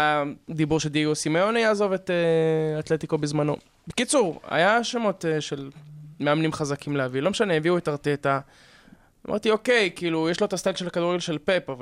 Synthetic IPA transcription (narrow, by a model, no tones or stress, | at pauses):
ad̪ibuʁʃeld̪iɡosimajo̞najaːzo̞vet̪eat̪let̪ikobezmano̞̰ | bekit͡suʁa̰jaʃemo̞teʃe̞lmeamnimχazakʰimlehavilo̞meʃaneeviuetaʁteta | mʔa̰ʁt̪io̞ke̞jkiːlujeʃlo̞etast̪aɡʃelakad̪uʁɡelʃelpe̞pav